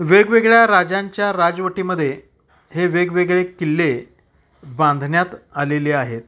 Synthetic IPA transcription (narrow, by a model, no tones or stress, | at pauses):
ʋeɡʋeɡɭjaɾad͡ʑãɲt͡ɕjaɾad͡zʋəʈiməd̪ʱːje | ɦeʋeɡʋeɡɭekilːe | bãnd̪ʱnjat̪aleleaɦet̪̚